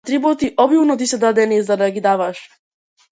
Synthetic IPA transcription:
t̪ɾibɔt̪iʔɔbjivnɔt̪̬isɛd̪ad̪ɛnizad̪aɡid̪avaʃ

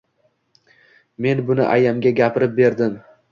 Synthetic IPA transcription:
me̞nbʊnɪ̰ʔajamɡʲaɡʲapʰɪɾɪp̚be̞ɾd̪ɪm

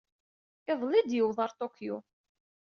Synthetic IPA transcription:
ɪðˤlid̪jəwðˤɑɾˤt̪okːju

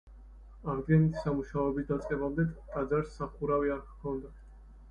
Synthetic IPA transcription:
aɾd̪ɡɛnit̪ʰi̥samuʃaɔɛbisd̪at̪sʼqʼɛbamd̪ɛt̪ʼad̪zaɾsːaχuɾaviaɾkkʰɔnd̪a

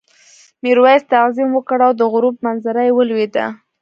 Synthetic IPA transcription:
miɾwajst̪aqzimwəkɽawd̪əɣʊɾup̚manzaɾajwəlwed̪a̰

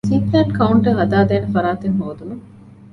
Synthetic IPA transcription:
siːt̪nɐʈkɐuɳʈɐɦɐd̪aːd̪eːnefɐɾaːt̪eŋɦoːd̪unu

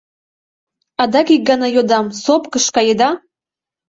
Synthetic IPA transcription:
ɑd̪ɑkik̚ɡɑnɑjod̪ɑmsopkəʃkɑjed̪ɑ

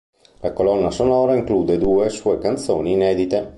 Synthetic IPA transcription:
lakolɔnːasonɔɾaiŋklud̪ed̪uesuekant̪soniːnɛd̪it̪e

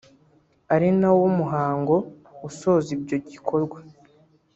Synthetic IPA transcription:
aɾinawomuɦaːŋɡo̞ | uso̞ːzibɟo̞ɟikʰo̞ɾɡwa

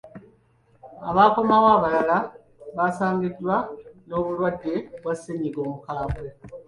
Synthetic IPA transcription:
aβaːkomawaːβalala | βasaːŋɡidːwano̞ːβulwadːe̞βwasːeɲiɡo̞ːmukaːβwe

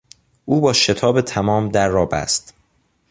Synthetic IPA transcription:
ʔuːbɒːʃe̞t̪ʰɒːbe̞t̪ʰæmɒːmd̪æɾːɒːbæ̰st̪

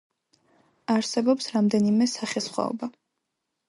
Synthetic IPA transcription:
aɾsɛbɔpsɾamd̪ɛnimɛsaχɛsχwa̰ɔ̰ba

